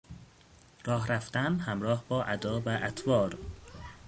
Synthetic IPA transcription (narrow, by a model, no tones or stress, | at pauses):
rɒːɦɾæft̪ænhæmɾɒːhbɒːʔæd̪ɒːvæʔæt̪ʰvɒːɾ